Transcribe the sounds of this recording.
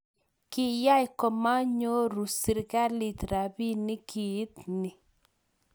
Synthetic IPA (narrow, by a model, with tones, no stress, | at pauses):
kɪ˦ja˦jkɔ˨ma˦ɲo˦ɾu˨si˨ɾɣa˦li˨t̪ɾa˨βi˦ni˦kʰi˨˦t̪nɪ˨